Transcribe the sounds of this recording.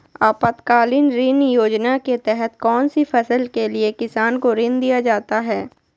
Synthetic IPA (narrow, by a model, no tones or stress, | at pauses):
aːpət̪kaːlɪnɾɪnjoːd͡ʒnaket̪ɛɦɛt̪kɔːnsifʰɐsəlkeliekɪsaːnkoɾɪ̃nd̪ijad͡ʒaːt̪aɦɛː